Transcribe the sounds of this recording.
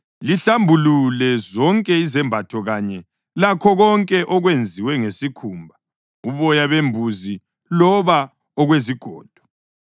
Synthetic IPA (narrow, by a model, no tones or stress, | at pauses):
liɬambʱululɛzɔŋkʼɛizɛmbʱatʰɔɣaɲɛ | lakʰɔɣɔŋkʼɛʔɔɣwend͡zʱiwɛŋesikʰuːmbʱa | uβɔjaβembʱuzi | lɔβa | ɔɣweziɡ̥ʱɔ̰ːd̥ʱɔ̥